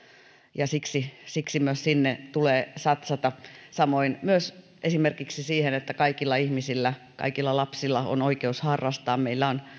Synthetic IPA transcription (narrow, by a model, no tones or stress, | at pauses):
jɑsiksisiksimyøssinːet̪uleːsɑt̪sɑt̪ɑsɑmoinmyøs | ʔesimerkiksisiːhenet̪ːækɑikilːɑihmisilːæ | kɑ̰ikilːɑlɑpsilːɑo̰noikeushɑrːɑst̪ɑːmmeilːæon